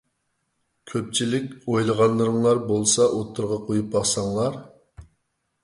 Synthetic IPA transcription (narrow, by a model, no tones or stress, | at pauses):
kʲʰøp̚t͡ʃʰilɪkʲojlˠəʁɑnlˠəɾɨŋlˠɑɾbolˠsɑʔot̪ʰːɨɾʁɑqʰojup̚bɑχsɑŋlˠɑɾ